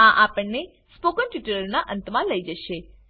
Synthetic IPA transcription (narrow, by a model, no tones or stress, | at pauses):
ãʔapəɳne | spokənʈiʈələɾnaʔə̃nt̪mãləid͡ʒəʃe